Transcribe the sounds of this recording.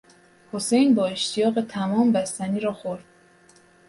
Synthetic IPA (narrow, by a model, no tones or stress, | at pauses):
ho̞se̞jnbɒːe̞ʃt̪ʰijɒːɣe̞t̪ʰæmɒːmbæst̪æniːɾɒːxoɾd̪̥̚